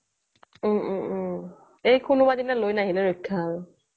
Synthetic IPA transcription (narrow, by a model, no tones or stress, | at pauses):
ejkʰunubadinalojnaɦilɛɹɔkʰːaːɹʊ